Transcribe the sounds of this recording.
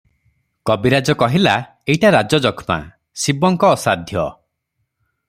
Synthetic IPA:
kɔbiɾad͡ʒɔkɔɦila | ejʈaɾad͡ʒɔd͡ʒɔkʰma̰ | sibɔŋkɔːsad̪ʱjɔ̰

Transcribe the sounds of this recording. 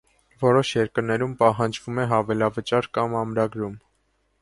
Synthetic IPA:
vɔɾɔʃjɛɾkəɾnɛɾumpɑɦɑnd͡ʒvumɛɦɑvɛlɑvət͡ʃɑɾkɑmɑmɾɑɡɾum

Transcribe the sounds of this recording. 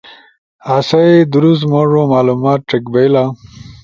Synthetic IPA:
aːsɐed̪uɾust̪moʐõmaːlumaːt̪̚ʈ͡ʂekbejla

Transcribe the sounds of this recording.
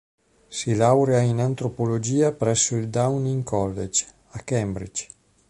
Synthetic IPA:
silawɾeainant̪ɾopolod͡ʒiːapɾɛsːoild̪awniŋkʰɔlːḛd͡ʒ | akɛmbɾḭd͡ʒ

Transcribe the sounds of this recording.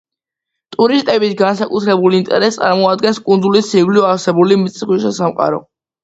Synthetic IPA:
t̪ʼuɾist̪ʼɛbisɡansakʼut̪ʰɾɛbulint̪ʼɛ̰ɾɛst̪sʼaɾmɔad̪ɡɛnskʼund̪zulisiɡliɔaɾsɛbulimt̪sʼχwisasamqʼa̰ɾɔ̰

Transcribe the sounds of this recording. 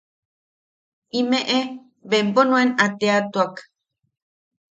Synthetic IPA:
imẽʔe | bemponũenat̪eat̪uak

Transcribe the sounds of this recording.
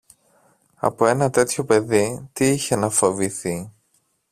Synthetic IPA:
ɐ̰po̞e̞nɐt̪e̞t̪ço̞pe̞ðit̪iiçe̞nɐfo̞viθi

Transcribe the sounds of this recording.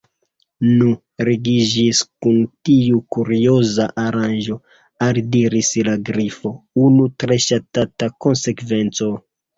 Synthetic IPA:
nu | ɾeɡid͡ʒiskuntiukuɾio̞zaʔaɾanʒo̞ | aldiɾislaɡɾifo̞unutɾe̞ʃatatako̞nse̞kve̞nt͡so̞

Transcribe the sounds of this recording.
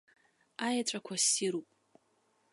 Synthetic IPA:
ajaʈ͡ʂʷʼakʷʰasiɾupʼ

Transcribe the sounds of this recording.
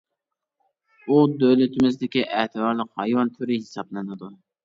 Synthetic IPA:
ud̪ølɪt̪ɪmɪzd̪ɪkʲiʔæt̪ʰɨbɑɾlˠəqhɑjwɑnt̪ʰyɾɪhɪsɑblˠɨnɨd̪u

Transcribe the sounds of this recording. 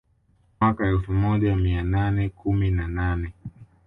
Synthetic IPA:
akaɛlfumɔʄamiananɛkʰuminananɛ

